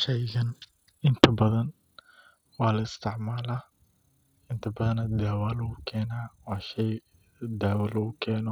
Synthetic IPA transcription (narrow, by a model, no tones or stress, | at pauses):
ʃɛjɣɐn | ɪnt̪ʰɐbɐðɐn | wɑːlɐɪst̪ʰɪʕmaːlaː | ɪnt̪ʰɐbɐðɐnɐd̪aːwaːlʊkʰɛːnaːwɑːʃɛj | d̪aːwɐlɐʊkʰɛːnɔ